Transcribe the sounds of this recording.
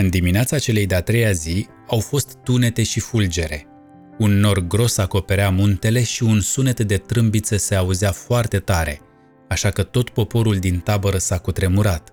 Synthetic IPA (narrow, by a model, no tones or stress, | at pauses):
ɨnd̪imineat̪sat͡ʃe̞lejd̪eat̪ɾe̞jazi | awfo̞st̪ːune̞t̪e̞ʃifuld͡ʒe̞ɾe̞̰ | unːo̞rɡɾo̞sako̞pe̞ɾeamunt̪e̞le̞ʃiunsune̞t̪d̪e̞t̪ɾɨmbit̪səse̞auzeafoart̪e̞t̪aɾe̞̰ | aʃakət̪o̞t̪po̞po̞ɾuld̪int̪abəɾəsakut̪ɾe̞muɾat̪